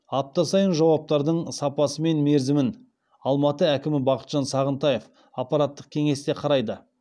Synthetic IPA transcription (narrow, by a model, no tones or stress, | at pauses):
ɑp̚t̪ɑsɑjənʒɑwɑp̚t̪ɑɾd̪əɴsɑpɑsəme̞nme̞ɾzɪmɪn | ɑlˠmɑt̪əækʲɪmɪbɑqə̥t̪ʒ̥ɑnsɑʁənt̪ɑjef | ɑpːɑɾat̪ːəq̚kʲʰe̞ŋe̞st̪e̞qʰɑɾɑjd̪ə